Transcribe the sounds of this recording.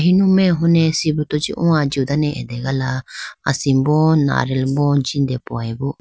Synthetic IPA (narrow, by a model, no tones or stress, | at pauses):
ɦinumeɦunesibut̪od͡ʒḭʔũad͡ʒiud̪aneʔḛd̪eɡalaa̰simbɔnːa̰ɾɛlmbond͡ʒind̪ɛpuajbu